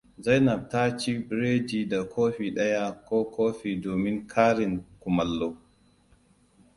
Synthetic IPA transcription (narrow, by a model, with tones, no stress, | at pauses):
za˦jnɐ˨b̚ta˦t͡ʃi˦bɾeː˦d͡ʒiː˨da˨kʰoː˦ɸi˨ɗɐ˦ja˦koː˦kʰoː˦ɸiː˨doː˨mɪ˦ŋkʰaː˦ɾɪ˨ŋkʊ˨mɐ˨lːoː˦